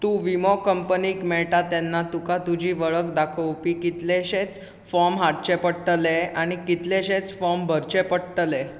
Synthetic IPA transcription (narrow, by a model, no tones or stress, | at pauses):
t̪uːʋimɔkəmpəniːkmɛɭʈat̪anːat̪ukat̪ud͡ʑʱiːʋəɭəkd̪akʰəwpikit̪leɕet͡s | fɔmɦaʈ̚t͡ɕepəɽʈəleaɽ̃ikit̪leɕẽt͡sfɔmbʱəɾt͡ɕepəɽʈle